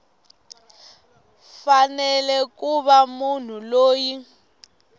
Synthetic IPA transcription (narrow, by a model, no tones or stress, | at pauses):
fanɛlɛkuβamun̤uloːji